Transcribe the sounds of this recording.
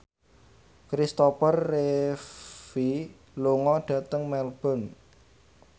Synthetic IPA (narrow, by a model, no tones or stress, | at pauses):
kɾist̪ɔpərːe | fi | luŋɔɖ̥ä̤t̪əŋmɛlb̥ɔ̤n